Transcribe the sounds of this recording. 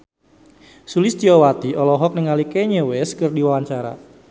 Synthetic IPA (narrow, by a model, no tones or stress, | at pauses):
sulɪsd͡ʒiɔwat̪iʔɔlɔɦɔk̚nəŋalikeɲewɛskɨrdiwawaɲt͡ʃaɾa̰